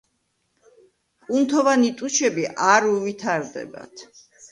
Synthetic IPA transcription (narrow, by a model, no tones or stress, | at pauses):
kʼunt̪ʰɔvanit̪ʼuʃʰɛbiʔaɾuvit̪ʰaɾd̪ɛ̰ba̰t̪ʰ